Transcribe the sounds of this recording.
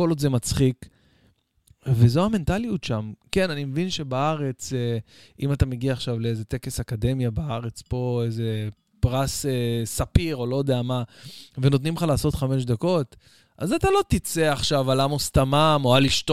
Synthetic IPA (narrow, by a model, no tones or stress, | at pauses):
olodzemat͡sχik | vezoame̞ntalijutʃamke̞nanimevinʃe̞baaʁe̞t͡seimatame̞ɡiaːχʃavleeze̞t̪e̞kesakade̞mjabaaʁe̞t͡spo̞eze̞ | pʁasesapiʁo̞lo̞jod̪eamaveno̞t̪nimχalaːso̞t̪χame̞ʃ̬d̪ako̞t | ʔazat̪alo̞t̪it͡seaχʃavalamost̪amamo̞aliʃto